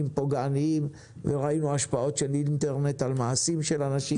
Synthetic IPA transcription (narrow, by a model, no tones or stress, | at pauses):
impoɡaaniim | veʁainuaʃpao̞tʃelint̪eʁne̞t̪almaasimʃe̞lanaʃi